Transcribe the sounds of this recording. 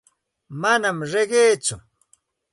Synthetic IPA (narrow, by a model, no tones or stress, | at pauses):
manamɾeɢejt͡sʊ